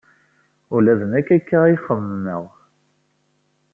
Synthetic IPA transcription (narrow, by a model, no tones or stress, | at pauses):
ʊlæðənækːækːaiχəmːəʁ